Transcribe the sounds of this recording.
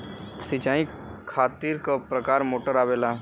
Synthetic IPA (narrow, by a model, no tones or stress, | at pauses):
sɪt͡ʃaːi | kʰaːt̪iːɾkapɾəkaːɾmoːʈəɾaːʋeːla